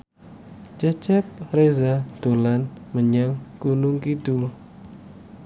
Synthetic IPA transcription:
t͡ʃɛt͡ʃɛp̚rezad̪̥o̤lanməɲaŋkunʊŋkid̪ul

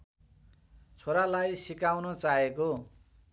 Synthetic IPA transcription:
t͡sʰoɾalajsikawnʌt͡saɦeko

